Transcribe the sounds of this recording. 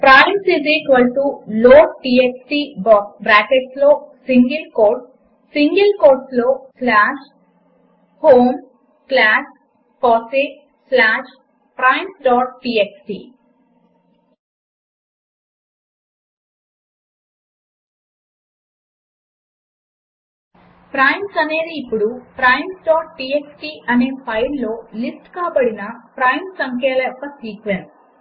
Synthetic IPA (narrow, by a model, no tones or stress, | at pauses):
pɾãɪ̃msiziːkʋəlʈuloːɖʈiːeksʈiːbɔːkbɾæːkeʈsloːsĩŋɡəlkoːʈ | sĩŋɡəlkoːʈsloːslæʃ | hõːm | klæs | pɔːsik | slæːʃ | pɾãɪ̃msɖɔːʈ̚ʈiːeksʈḭː | pɾajmsɐneːðɨipːuɽupɾɐjmsɖoːʈʈieksʈiʔɐneːfɐjnloːlisʈkaːbɐɽinɐpɾɐjmsɐŋkʰjeːlɐpːɐsiːkʋenu